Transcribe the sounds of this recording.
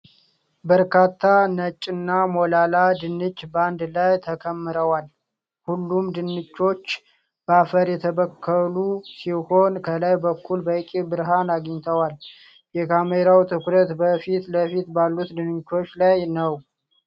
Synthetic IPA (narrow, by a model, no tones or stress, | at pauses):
bəɾkʰat̪ʰːanət͡ʃʼːɨnːamolalad̪ɨnːɨt͡ʃʼːband̪lajt̪ʰəkʰəmːɨɾəwal | hulːumd̪ɨnːɨt͡ʃːo̞t͡ʃː | bəafəɾjɛt̪ʰəβəkʰːəlusiho̞nkʰəlajbəkʰːulbəkʼibɨɾɦanaɡəɲt̪ʰəwal | jɛkʰameɾawt̪ʰɨkɾət̪bəfit̪ləfit̪balːut̪d̪ɨnɨt͡ʃːo̞t͡ʃːlajnəw